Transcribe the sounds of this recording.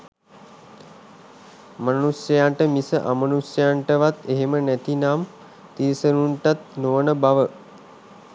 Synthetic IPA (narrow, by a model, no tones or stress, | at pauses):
manusjəjaːɳʈəmisəʔamənusjəjaɳʈəʋat̪eɦemənæt̪inaːm | t̪isəɾuɳʈat̪noʋənəbaʋə